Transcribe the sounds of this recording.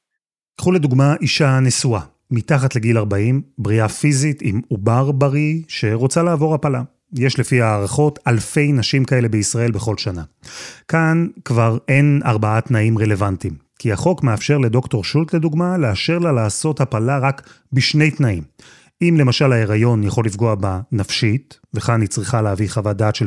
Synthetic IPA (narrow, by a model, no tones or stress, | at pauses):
kχule̞duɡmaʔiʃanesua | mitaχatle̞ɡilaʁbaimbʁiafizitimubaʁbaʁiʃe̞ʁo̞t͡salaːvo̞ʁapala | jeʃle̞fiaːʁaχo̞talfe̞jnaʃimkae̞le̞beisʁae̞lbeχo̞lʃanakankvaʁe̞na̰ʁbaatnaimʁe̞le̞vantim | kiaχo̞kmeafʃe̞ʁle̞do̞kto̞ʁʃultle̞duɡmaleaʃe̞ʁlalaːso̞thapalaʁak | biʃne̞jtnaim | imle̞maʃalhae̞ʁajo̞njaχo̞lifɡoabanafʃit | veχanit͡sʁiχaleaviχavadaːtʃe